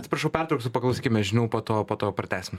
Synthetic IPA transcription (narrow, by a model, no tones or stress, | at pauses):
t̪ʲsʲɪpɾɐʃɐʊpʲært̪ɾɐʊksʊpɐklˠɐʊsʲiːkʲɪmʲɛʒʲɪnʲuʊpoːt̪oːpoːt̪oːpɾɐt̪ʲæːsʲɪmo